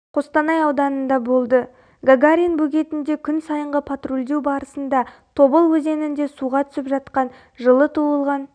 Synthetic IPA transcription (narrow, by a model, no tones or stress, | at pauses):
qʰo̞st̪ɑnɑjɑwd̪ɑnənd̪ɑbo̞lˠd̪ə | ɡaɡaɾʲinbɵɡʲe̞t̪ɪnd̪e̞kʲʰʏnsɑjəɴʁəpʰat̪rolʲd̪e̞wbɑɾəsənd̪ɑt̪ʰo̞bəlˠwɵze̞nɪnd̪e̞suʁɑt̪ʰʏ̥sɪpʒɑt̪qɑn | ʒəlˠət̪ʰuəlˠʁɑn